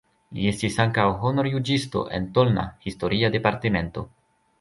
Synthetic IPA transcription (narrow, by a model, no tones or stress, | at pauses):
lḭe̞stisaŋkawɦo̞no̞ɾjud͡ʒisto̞̰ʔe̞̰nto̞lna̰histo̞ɾʔiade̞paɾteme̞nto̞̰